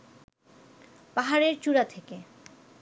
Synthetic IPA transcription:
paɦaɾeɾt͡ɕuɾat̪ʰeke

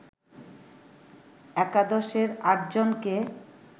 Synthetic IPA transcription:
ɛkad̪oʃeɾaʈ̚d͡ʑonke

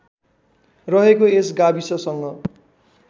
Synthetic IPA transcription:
rʌɦekoesɡabisʌsʌŋɡʌ

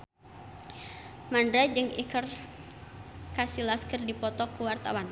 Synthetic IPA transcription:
mandɾad͡ʒɨŋḭkər | kasilaskərdipɔt̪ɔkuwart̪awan

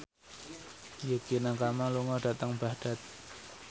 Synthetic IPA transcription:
jəɡ̥inakamaluŋɔɖa̤t̪əŋb̥a̤ɖ̥a̤t̪̚

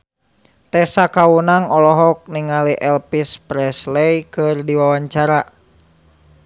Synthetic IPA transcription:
t̪ɛsakaunaŋɔlɔɦɔk̚niŋaliʔɛlpispɾɛslɛjkɨrdiwawaɲt͡ʃaɾa

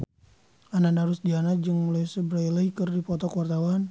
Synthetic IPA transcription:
anandaɾusdianad͡ʒɨŋmulajsəbɾajlaikɨrdipɔt̪ɔkəwart̪awan

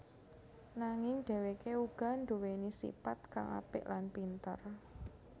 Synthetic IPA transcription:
naŋɪŋɖ̥ɛ̤wekeuɡ̥a̤ɳɖowenisḭpat̪̚ka̰ŋa̰pɪ̰ʔlanpint̪ə̰r

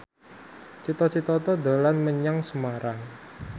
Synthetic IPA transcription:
t͡ʃit̪ɔt͡ʃit̪ɔt̪ɔd̪a̤lanməɲaŋsəmaɾaŋ

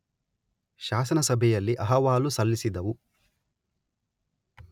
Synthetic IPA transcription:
ʃaːsɐnɐsɐbʱɛjɐlːiʔɐɦɐʋaːlusɐlːisid̪ɐʋu

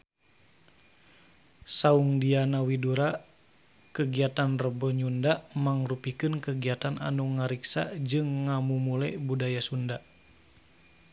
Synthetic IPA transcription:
sauŋdianawiduɾa | kəɡiat̪anrəbəɲundaʔmaŋrupikɨnkəɡiat̪anʔa̰nuŋaɾiksa̰d͡ʒɨŋːamumulɛbudajasunda

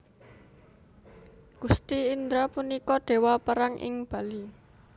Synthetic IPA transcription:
ɡ̥ust̪iːnd̪ɾapunikɔɖ̪̥e̤wapəɾaŋʔɪ̰ŋb̥a̤li

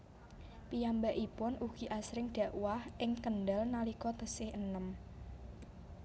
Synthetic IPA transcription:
pijambaʔipʊnʔuɡ̥i̤ʔasɾɪŋɖ̥ä̤ʔwahʔɪŋkənɖalnalikɔt̪əsɪhənəm

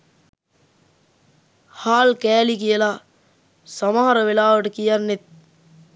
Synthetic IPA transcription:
haːlkɛːlik̬ijɐla | sɐmaɦɐɾɐʋelaːʋɐʈɐkijɐnːet̪̚

